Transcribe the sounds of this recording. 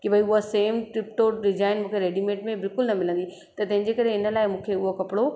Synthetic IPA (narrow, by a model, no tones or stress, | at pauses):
kibʱɐiʊɦaseːmʈɾɪpʈoɖɪd͡ʑaːɪnmũːkʰeɾeːɖimeːʈmẽbɪlkʊlnɐmɪlə̃nd̪i | t̪ɐt̪ɐ̃ɦɪ̃ɲ̆d͡ʑekɐɾeɪnə̆laːɪmũːkʰeʊɦokɐpɪɽo